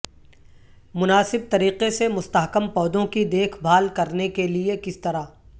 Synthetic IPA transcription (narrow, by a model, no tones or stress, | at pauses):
mʊnaːsɪb̚t̪ɐɾiːqesemʊst̪aɦkəmpɔːd̪õkid̪eːkʰbʱaːlkɐɾnekeliekɪst̪ɐɾaː